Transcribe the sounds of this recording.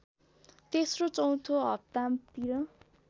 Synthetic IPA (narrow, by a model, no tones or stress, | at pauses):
t̪esrot͡sʌw̃t̪ʰoɦʌp̚t̪amt̪iɾʌ